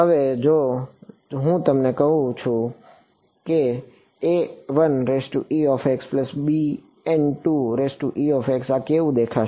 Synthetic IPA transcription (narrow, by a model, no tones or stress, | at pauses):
ɦəʋed͡ʒo | ɦũt̪əmnekəɦũt͡ʃʰũ | ke | eʋənɾesʈṵʔiɔfekspləsbi | ɛnʈuɾesʈuʔiɔfeksakeʋũd̪ekʰaʃ